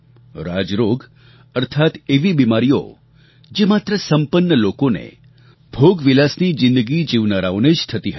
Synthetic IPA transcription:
ɾad͡ʒɾoɡ | əɾt̪ʰat̪eʋibimaɾijo̰ | d͡ʒemat̪ɾəsəmpənːəlokonḛ | bʱoɡʋilasnid͡ʒɪ̃nd̪əɡid͡ʒiʋnaɾaoned͡ʒt̪ʰət̪iɦə

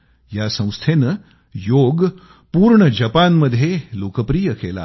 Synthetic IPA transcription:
jasə̃w̃st̪ʰenə | joɡ | puːɾɳəd͡ʑəpanməd̪ʱːjeloːkəpɾijəkela̰

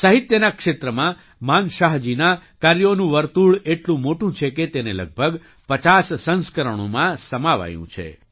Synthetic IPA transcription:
səɦit̪jənakʃet̪ɾəmã | manʃaɦd͡ʒinakaɾjonũʋəɾt̪uɭeʈlũmoʈũt͡ʃʰeket̪enelə̰ɡ̚bʱəɡ | pət͡ʃasːə̃nskəɾəɳ̃o̰mãsəmaʋa̰jṵ̃t͡ʃʰḛ

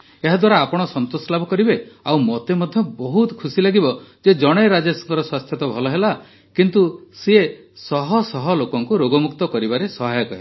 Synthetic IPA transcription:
eɦad̪waɾaːpɔɽ̃ɔsɔnt̪osɔlabʱɔkɔɾibeawmɔt̪emɔd̪ʱjɔbɔɦut̪ɔ̥kʰusilaɡibɔd͡ʒed͡ʒɔɽ̃ejɾad͡ʒasɔ̥ŋkɔɾɔswast̪ʰjɔt̪ɔbʱɔlɔɦela | kint̪use | sɔɦɔsɔɦɔlokɔŋkuɾoɡɔmukt̪ɔkɔɾibaɾesɔɦajɔkɔɦe

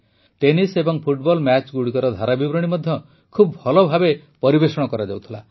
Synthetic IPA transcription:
ʈenisebɔŋpʰuʈ̚bɔlmat͡ʃɡuɽikɔɾɔd̪ʱaɾabibɾɔɽ̃imɔd̪ʱjɔ | kʰubbʱɔlɔbʱabe | pɔɾibesɔɽ̃ɔkɔɾad͡ʒawt̪ʰila

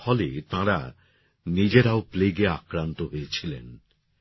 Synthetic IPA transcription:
fʰɔlet̪ãɾa | nid͡ʑeɾaopleɡeakɾant̪oɦojet͡ɕʰilḛn

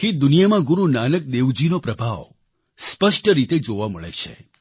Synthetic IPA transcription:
kid̪unijamãɡuɾunanək̚d̪eʋd͡ʒinopɾəbʱaʋ | spəʃʈəɾit̪ed͡ʒoʋaməɭḛt͡ʃʰḛ

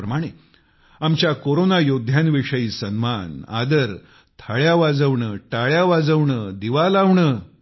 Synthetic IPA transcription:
ɾəmaɽ̃e | amt͡ɕjakoɾonajod̪ʱjãnʋiʂəjiːsənmana̰d̪əɾ | t̪ʰaɭjaʋad͡zəʋɳəːʈaɭjaʋad͡zəʋɳəːd̪iʋalaʋɳəː

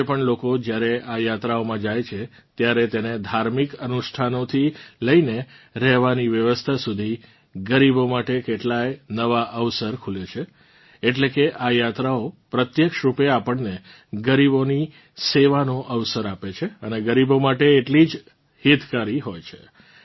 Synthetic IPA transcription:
epəɳlokod͡ʒjaɾeʔajat̪ɾaomãd͡ʒajt͡ʃʰe | t̪jaɾet̪ened̪ʱaɾmikənuʃʈʰanot̪ʰiləineɾɛɦʋaniʋjəʋəst̪ʰasud̪ʱi | ɡəɾibomaʈekeʈlajnəʋaʔəʋsəɾkʰulet͡ʃʰeː | ʈlekeʔajat̪ɾaopɾət̪jəkʃɾupeapəɳne | ɡəɾiboni | seʋanoʔəʋsəɾapet͡ʃʰeəneɡəɾibomaʈeːʈlid͡ʒ | het̪kaɾiɦojt͡ʃʰe̥

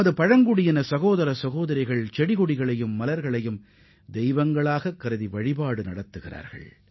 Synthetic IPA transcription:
ɐðɯpɐɻɐŋɡɯɽɪjɐnɐsɐɣoːðɐɾɐsɐɣoːðɐɾɐɪɣɐɭt͡ʃɛɽɪɣʊɽɪɣɐɭɐjɯmːɐlɐɾɣɐɭɐjɯm | d̪ɛjʋɐŋɡɐɭaːɣɐkːɐɾɯðiʋɐɻɪpaːɽɯnɐɽɐt̪ːɯɣɪra̰ːɾɣɐ̰ɭ

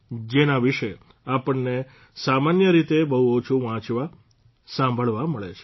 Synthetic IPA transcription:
d͡ʒenaʋiʃe | apəɳːe | samanjəɾit̪ebəɦuot͡ʃʰũʋãt͡ʃʋa | sãmbʱəɭʋaməɭḛt͡ʃʰe̥

